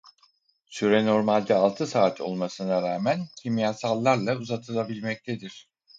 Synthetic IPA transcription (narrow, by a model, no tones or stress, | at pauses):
syɾeno̞ɾmalʲd̪ɛalˠt̪ʰɯsaːt̪ʰo̞̰lˠmasɯnaɾaːmæncʰimijasalˠːaɾlˠauzat̪ʰɯlˠabilʲmɛc̚t̪ʰed̪iɾ̝̥